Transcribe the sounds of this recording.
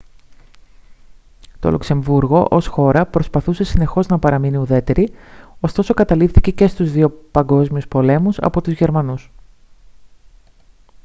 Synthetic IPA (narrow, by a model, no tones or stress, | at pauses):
t̪o̞̰lukse̞ɱvuɾɣo̞ʔo̞sxo̞ɾɐpɾo̞spɐθuse̞sine̞xo̞znɐpɐɾɐminiuðe̞t̪e̞ɾio̞st̪o̞so̞kɐt̪ɐlifθice̞ce̞st̪uzðio̞pɐŋɡo̞zmiuspo̞le̞musɐ̰po̞t̪uzʝe̞ɾmɐnus